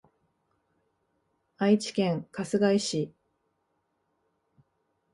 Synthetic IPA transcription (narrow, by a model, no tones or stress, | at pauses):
ait͡ɕi̥kẽ̞ŋkasɨɡaiɕi